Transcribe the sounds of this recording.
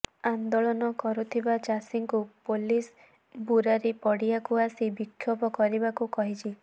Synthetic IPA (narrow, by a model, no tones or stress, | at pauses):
and̪ɔɭɔnɔkɔɾut̪ʰibat͡ʃasiŋkupolis | buɾaɾepɔɽiakuasibikʰːjɔpɔkɔɾibakukɔɦit͡ʃʰi